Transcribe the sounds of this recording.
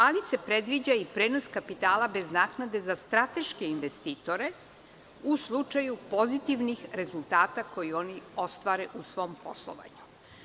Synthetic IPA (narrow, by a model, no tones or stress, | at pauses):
alise̞pɾe̞d̪ʋid͡ʑaipɾeːno̞skapit̪aːlabe̞znaːknad̪e̞zast̪ɾat̪e̞ʃke̞inʋest̪iːt̪o̞ɾe̞ | uslˠut͡ʃajupo̞zit̪iʋnixɾe̞zulˠt̪aːt̪ako̞jio̞nio̞st̪ʋaːɾeʔusʋo̞mpo̞̰slˠo̰ʋa̰ɲu̥